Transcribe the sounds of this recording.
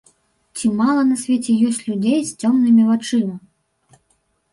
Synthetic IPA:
t͡sʲimalˠɐnɐsʲvʲet͡sʲɛjɔsʲt͡sʲlʲud͡zʲejst͡sʲɔmnɨmʲivat͡ʂɨmɐ

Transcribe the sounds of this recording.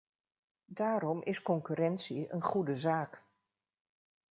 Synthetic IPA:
daːɾɔmʔɪskɔŋkyɾɛntsiənχudəzaːk

